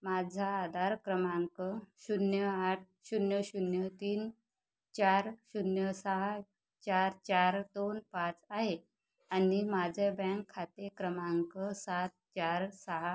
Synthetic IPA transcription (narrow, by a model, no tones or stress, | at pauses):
mad͡zʱaːd̪ʱaɾkɾəmaŋkəɕunjəaʈ̚ʰɕunjəɕunjət̪iːn | t͡ɕaɾɕunjəsəɦa | t͡ɕaɾt͡ɕaɾd̪onpat͡saɦe | animad͡zʱebɛ̃ŋkʰːat̪ekɾəmaŋkəsat̪̚t͡ɕaɾsəɦa